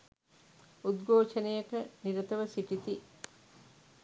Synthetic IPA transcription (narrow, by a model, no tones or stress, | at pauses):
ud̪ɡoːʃɐnejɐkɐniɾɐt̪ɐʋɐsiʈit̪i